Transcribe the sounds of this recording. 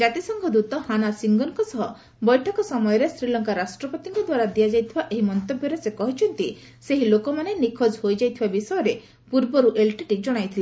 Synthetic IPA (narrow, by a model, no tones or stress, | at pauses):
d͡ʒat̪isɔŋɡʱɔd̪ut̪ɔhanasiŋɡɔnkɔsɔɦɔ | bɔjʈʰɔkɔsɔmɔjɔɾesɾilɔŋkaɾasʈɾɔpɔt̪iŋkɔd̪waɾad̪iad͡ʒajt̪ʰibaʔeɦimɔnt̪objɔɾesekɔɦit͡ʃʰɔnt̪i | seɦilokɔmanenikʰɔd͡ʒɦojd͡ʒajt̪ʰibabisɔjɔɾe | puɾbɔɾuʔelʈiʈid͡ʒɔɽ̃ajt̪ʰile